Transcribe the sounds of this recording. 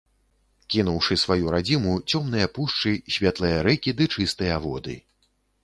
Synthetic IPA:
kʲinuwʂɨsvajuɾad͡zʲimut͡sʲɔmn̪ɨjɐpuʂt͡ʂɨsʲvʲat̪lˠɨjɐɾɛkʲid̪ɨt͡ʂɨst̪ɨjɐvɔ̰d̪ɨ̰

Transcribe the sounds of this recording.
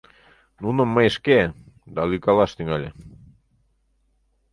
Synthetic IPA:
nunə̆mːəjeʃke | d̪ɑlykɑlɑʃt̪yŋɑlʲe

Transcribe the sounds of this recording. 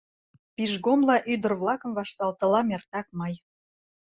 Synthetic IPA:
piʒɣomlɑʔyd̪ə̆rβlɑkə̆mvɑʃt̪ɑlt̪ə̆lɑmert̪ɑk̚mɤj

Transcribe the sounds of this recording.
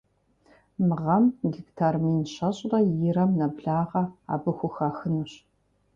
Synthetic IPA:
mɨʁɐmɡiktʰaːrmiːnɕɐɕʼrɐjɪɾɐmnɐbɮaːʁɐa̰ːbɨxʷʊxaːxɨnɨɕ

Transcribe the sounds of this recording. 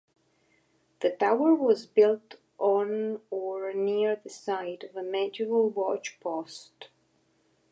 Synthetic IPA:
ðɨtʰaʊə˞wʌzbɪlˠt | n̩ə˞niɹðɨsaɪɾʌvəmæd͡ʒɨvl̩ˠwɑt͡ʃpʰɔst

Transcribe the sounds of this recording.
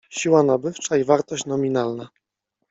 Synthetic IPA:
ɕiwanabɘft͡ʂaivaɾt̪ɔɕt͡ɕnɔmʲinalna

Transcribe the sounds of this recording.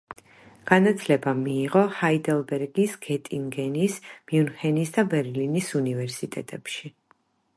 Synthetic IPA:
ɡ̥anat̪sʰlɛbamiːʁɔhaid̪ɛlˠbɛɾɡisɡ̥ɛt̪ʼiŋɡɛnismjunhɛnisd̪abɛɾlinisunivɛɾsit̪ʼɛt̪ʼɛpʃi

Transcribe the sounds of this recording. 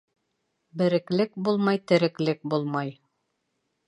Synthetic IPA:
bɘ̆ɾɘ̆klɘk̚bulˠmɑjt̪ɘ̆ɾɘ̆klɘk̚bulˠmɑj

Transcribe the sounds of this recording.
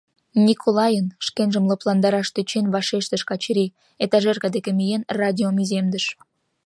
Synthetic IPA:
nʲikʰolɑjənʃkenʒəmləplɑnd̪ɑɾɑʃt̪øt͡ɕenβɑʃeʃt̪əʃkɑt͡ɕɾi | et̪ɑʒerɣɑd̪ekemijenrɑdʲiomizemd̪əʃ

